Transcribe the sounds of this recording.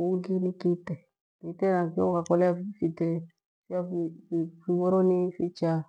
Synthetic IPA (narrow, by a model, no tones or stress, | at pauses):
ouɡinikitɛ | kitenãkeokakɔlɛafifite | fiafiifibɔɾonifit͡ʃa